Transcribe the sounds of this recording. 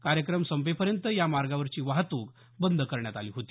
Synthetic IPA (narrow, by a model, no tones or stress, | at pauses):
kaɾjəkɾəmsəmpepəɾjənt̪əjamaɾɡaʋəɾt͡ɕiːʋaɦt̪uːk | bənd̪ʱkəɾɳjat̪aliːɦot̪iː